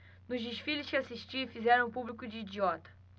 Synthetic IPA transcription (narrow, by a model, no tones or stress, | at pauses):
nʊzd͡ʒɪʃfilɪʃkɪasiʃt͡ʃifizɛɾɐ̃w̃publikʊd͡ʒɪːd͡ʒiɔt̪ɐ̥